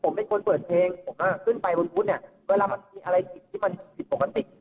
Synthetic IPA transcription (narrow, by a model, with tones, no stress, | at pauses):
pʰo˩˦mːa˧˩kʰo˧npɤː˨˩t̪̚pʰleː˧ŋpʰo˨˩˦mka˥˩kʰɯ˥˩npa˧jbo˧mʰu˦˥n̚i˧˥˩weː˧laː˧ma˧nmiː˧ʔa˧ɾa˧jki˨˩t̚t̪ʰiː˥˩ma˧n˧si˨˩po˨˩kːa˧t̪i˨˩ʔ